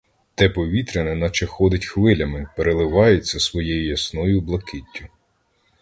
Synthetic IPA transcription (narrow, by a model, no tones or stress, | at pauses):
t̪ɛpɔʋʲit̪ɾenɛnɐt͡ʃɛxɔd̪ɪtʲxʋɪlʲɐmɪpeɾelˠɪʋɑjet͡sʲːɐsʋɔjɛjʊjɐsnɔjʊblˠɐkɪtʲːʊ